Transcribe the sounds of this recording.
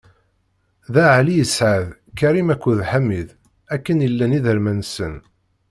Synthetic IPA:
ðæʕlijəsʕaðkæɾimækʷːðħamːið | ækːənjəlːæniðəɾmænsən

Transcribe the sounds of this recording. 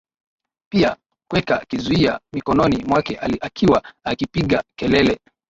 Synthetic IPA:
pia | kwɛkakizuiamikɔnɔnimwakɛʔaakʰiwaakipiɠakɛlɛlɛ

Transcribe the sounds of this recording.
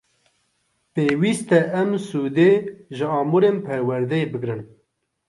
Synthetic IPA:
peːwiːst̪ɛʔɛmsuːd̪eːʒɨɑːmuɾeːmpʰɛɾwɛɾd̪ɛjebɨɡɾɨn

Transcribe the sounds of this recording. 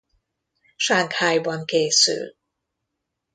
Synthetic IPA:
ʃaːŋkhaːjbɒŋkeːsy̰l

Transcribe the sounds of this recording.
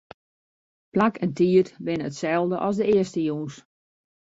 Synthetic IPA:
plakɛntiətʋɪnəətsɛlˠdəʔɔsdəɪəstəjuːns

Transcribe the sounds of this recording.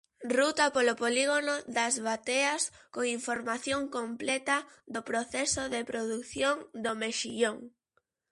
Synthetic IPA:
rut̪apolopoliɣ̞onoðɐzβat̪eɐskoŋiɱfoɾmaθjoŋkomplɛt̪ɐðopɾoθɛsoðepɾoðukθjoŋd̪omeʃiʎoŋ

